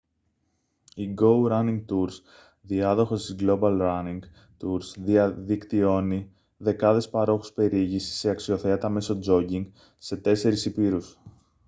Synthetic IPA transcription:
iɡo̞wɾɐniŋɡt̪uɾs | ðiɐðo̞xo̞st̪izɡlo̞bɐlɾɐniŋɡ | t̪uɾzðiɐðikt̪io̞ni | ðe̞kɐðe̞spɐɾo̞xu̥spe̞ɾiʝisi̥seɐksio̞θe̞ɐt̪ɐme̞so̞d͡zo̞ɟiŋɡ | se̞t̪e̞se̞ɾisipiɾus

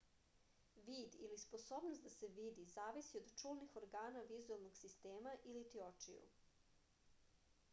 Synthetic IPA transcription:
ʋiːd̪ilispo̞so̞ːbnost̪d̪ase̞ʋiːd̪izaːʋisiod̪t͡ʃuːlnixoɾɡaːnaʋizualˠnoɡsist̪eːmaʔilit̪iot͡ʃḭjṵ

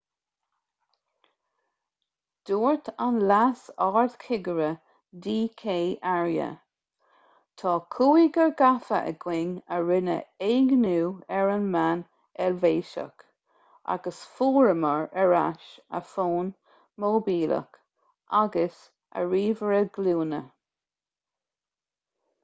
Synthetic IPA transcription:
d̪̥uːɹt̪ʰanlasɑːɹðkʰɪɡəɾə | diːkʰeːʔaɹjə̰ | t̪ʰɑːkʰuːiɡəɹɡafə̰ʔə̰ɡ̥wɪŋəɹɪnə̰eːɡnuːɛɹənman | ɛlveːʃə̰k | ʔa̰ɡəsfuːɹəməɹəɹaʃə̰foːn | moːbiːlə̰k | ʔaɡəs | ə̰ɹiːvəɹəɡ̥luːnə

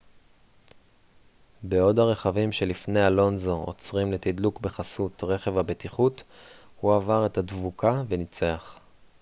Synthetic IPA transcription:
beo̞daʁe̞χavimʃe̞lifne̞jalo̞nzoo̰t͡sʁimle̞t̪idlukbe̞χasutʁe̞χe̞vabetiχut | huavaʁe̞thadvukavenit͡seaχ

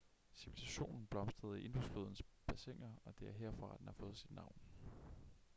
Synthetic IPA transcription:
siʋilisæɕo̝̰ːnn̩b̥lɒ̽msd̥ʁɐð̩ˠiʔe̝nd̥usfloðˠn̩sb̥æseŋ̰ɐɒ̽d̥e̝æɐɦeɐ̰fʁɑ̈æd̥enhɑ̈fɔ̽ːð̩ˠsid̥nɑ̈ʊ̰n

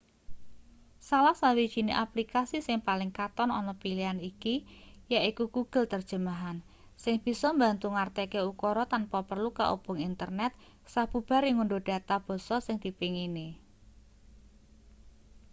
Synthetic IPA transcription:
salahsawi̥ʒ̥i̤neʔaplikasisɪŋpalɪŋkat̪ɔnɔ̰nɔpilianikijaikuɡuɡ̥ə̤lt̪ərd̥ʒ̥ə̤maɦan | sɪŋb̥i̤sɔmbant̪uŋart̪ɛkeukɔɾɔt̪anpɔpərluka̰ʔo̰b̥ʊ̤ŋint̪ərnɛt̪̚ | sab̥ṳb̥a̤ɾiŋuɳɖod̥a̤t̪ab̥ɔ̤sɔsɪŋd̪̥i̤piŋini

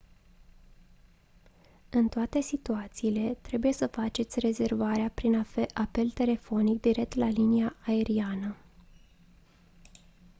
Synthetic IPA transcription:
ɨnt̪oat̪e̞sit̪uat̪siːle̞t̪ɾe̞buje̞səfat͡ʃe̞t̪sʲre̞ze̞rvaɾeapɾinʔape̞lt̪e̞le̞fo̞nik̚d̪iɾe̞k̚t̪laliniaʔːe̞ɾianə

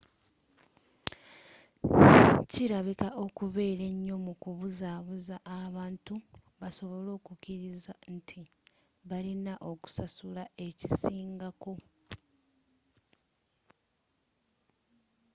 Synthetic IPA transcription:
ciɾaβikaʔo̞kuβe̞ːɾe̞ɲːo̞mukuβuzaβuzaʔːβaːntu | βaso̞βo̞lo̞ːkukiɾizantʰi | βalinaʔo̞ku̥sasulae̞ci̥siːŋɡako̞

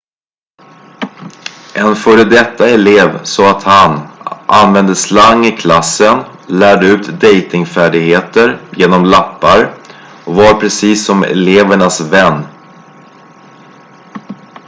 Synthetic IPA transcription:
ʔɛnfœːɾəd̪ɛt̪ːaɛleːvsɔat̪hanʔa̰nvɛnd̪əslaŋːɪkʰlasːən | læːɖəʉ̟ːt̪d̪ɛjt̪ɪŋfæːɖɪɡheːt̪əɾjeːnɔmlapːaɾ | ɔvaɾpʰɾɛsiːsːɔmɛ̰leːvəɳasvɛnː

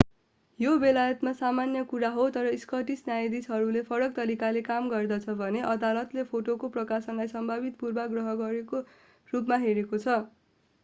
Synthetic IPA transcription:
jobelajʌt̪masamanjʌkuɾaɦot̪ʌɾʌiskʌʈisnjajd̪isɦʌɾulepʰʌɾʌk̚t̪ʌɾikalekamɡʌrd̪ʌt͡sʰʌbʱʌneʔʌd̪alʌt̪lepʰoʈokoprʌkasʌnlajsʌmbʱabit̪purbaɡrʌɦʌɡʌɾeko | rupmaɦeɾekot͡sʰʌ

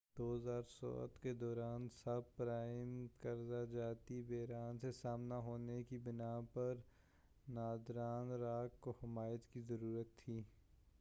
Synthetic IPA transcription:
d̪̥oːzaːɾsɔ̰ːə̰t̪ked̪ɔːɾaːnsɐb̚pɾaːɪmkəɾzad͡ʒaːt̪ibeːɾaːnsesaːmnaɦoːnekibɪnaːpɐɾ | naːd̪ɾaːnɾaːkkohɪmaːjət̪kizəɾuːɾət̪ʰːiː

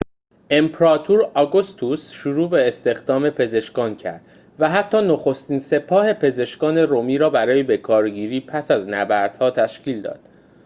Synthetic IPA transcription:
ʔe̞mpɾɒːt̪ʰuɾɒɡost̪ʰusʃuɾuːbe̞ːst̪e̞xd̪ɒːme̞pʰe̞ze̞ʃkɒːncʰæ̰ɾd̪̥ | væɦæt̪ʰːɒːnoxo̞st̪iːnse̞pʰɒːhe̞pʰe̞ze̞ʃkɒːne̞ɾomiːɾɒːbæɾɒːjebe̞kʰɒːɾɟiːɾiːpʰæsæznæbæɾd̪̥hɒːt̪ʰæʃciːld̪ɒ̰ːd̪̥

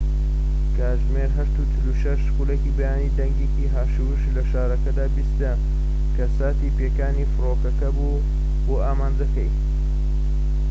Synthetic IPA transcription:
kaːʒmeːɾɦɐʃt̪ut͡ʃɪluʃɐʃkulekiːbɐjaːnid̪ɐŋɡekiɦaːʃuʃlɐʃaːɾɐkɐd̪aːbist̪ɐ | kɐsaːt̪iːpeːkaːniːfɨɾoːkɐkɐbu | boːaːmaːnd͡zɐkɐj

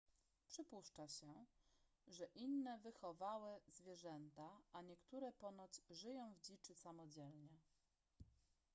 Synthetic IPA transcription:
pʂɘpuʂt͡ʂaɕɛ | ʐɛʔinːɛvɘxɔvawɛzvʲjɛʐɛnt̪aaɲɛkt̪uɾɛpɔnɔt̪sʐɘjɔ̃w̃vd͡ʑit͡ʂɘsamɔd͡ʑɛlɲɛ

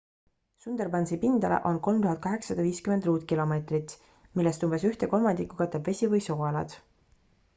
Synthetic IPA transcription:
sund̪erbɑnsipind̪ɑlḛʔo̞nko̞lmt̪uɦɑd̪̥̚kɑɦe̞ksɑd̪̥ɑviːskymend̪ruːt̪kilo̞me̞ːt̪rit̪ˑ | milːest̪umbesyht̪e̞ko̞lmɑnd̪̥ikːˑu̥kɑt̪ːˑebve̞sʲivɤjsoːɑlɑ̰d̪̥

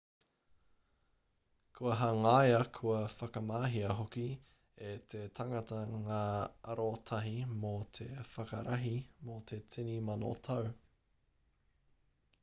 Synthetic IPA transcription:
kʰuɐɦɐŋajɐkʰuɐfɐkɐmaːɦiɐɦoki | etʰetʰɐŋɐtɐŋaːɐɾotʰɐɦimot̪ʰe̞fɐkɐ̰ɾʔɐɦimot̪ʰe̞t͡sʰinimɐno̰tʰɐw

